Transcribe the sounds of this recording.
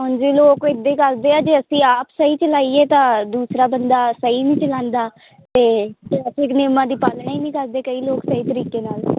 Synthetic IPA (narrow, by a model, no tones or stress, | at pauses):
ɦond͡ʒiːloːkɪd̪eːkəld̪eːaːd͡ʒeːəsĩːaːpsəiːt͡ʃəlaːiːeːt̪ãːd̪uːsɾaːbənd̪aːsəiːnĩːt͡ʃəlãːnd̪aː | t̪eːkːəsekneːmãːd̪iːpaːlɳaiːnĩːkəɾd̪eːkəiːloːksəiːt̪əɾiːkeːnaːl